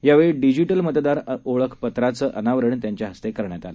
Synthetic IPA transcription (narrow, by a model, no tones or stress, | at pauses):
jaʋeɭiɖid͡ʑiʈəlmət̪d̪aɾoɭəkʰpət̪ɾat͡səːʔənaʋəɾəɳt̪jaɲt͡ɕjaɦəst̪ekəɾɳjat̪ale